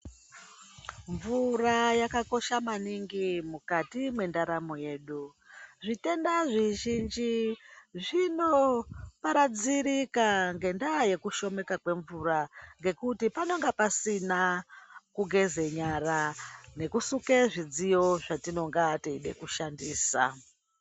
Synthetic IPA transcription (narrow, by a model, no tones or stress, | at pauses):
ɱvurajakako̞ʃamaniŋɡimukatimwe̞ndaɾamo̞je̞ːɗu | ʐite̞ndaʐiʒind͡ʒiʐino̞paɾad͡ziɾikaŋɡe̞ndaje̞kuʃo̞me̞kakwe̞ɱvuraŋɡe̞kutipano̞ŋɡepasinakuɡʱe̞ze̞ɲarane̞kusukeʐid͡zijo̞ʐatino̞ŋɡateiɗe̞̰kuʃandiːsa̰